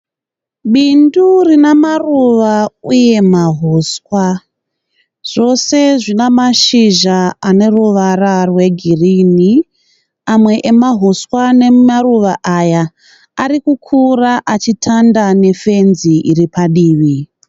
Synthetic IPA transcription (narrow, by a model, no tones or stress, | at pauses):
ɓindurinamaruʋauje̞maɦoːswa | ʐ̥o̞se̞ʐinamaʃiʒaane̞ruʋararwe̞ɡʱirini | amwe̞ʔemaɦuswane̞maruʋaʔajaː | rikukʰuraʔat͡ʃitʰandane̞fe̞nziʔiripaɗiːʋi